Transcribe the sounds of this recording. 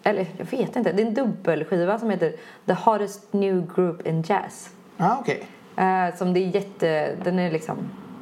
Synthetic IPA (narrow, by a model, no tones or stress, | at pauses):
ʔɛlːəɾjɑ̰ːɡveːt̪ɪnt̪ːəd̪ɛɛnd̪ɵbːəlɧiːvasɔmheːt̪əɾ | ðəhɑɖɛst̪njʉːɡɾʉːpʰɪnd͡ʒæ̰s | aːɔkʰeɪ | sɔmd̪ɛæɾjɛt̪ːəd̪ɛnæɾlɪksɔ̰m